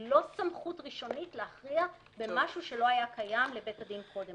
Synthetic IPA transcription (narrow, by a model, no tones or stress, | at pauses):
lo̞samχutʁiʃo̞nitleaχʁia | be̞maʃuʃe̞lo̞ajakʰajamle̞be̞tadinkʰo̞dem